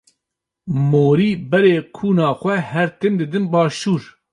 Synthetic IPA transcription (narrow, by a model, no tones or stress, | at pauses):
moːɾiːbɛɾeːkʰuːnɑːxʷɛhɛɾt̪ʰemd̪ɨd̪ɨnbɑːʃuːɾ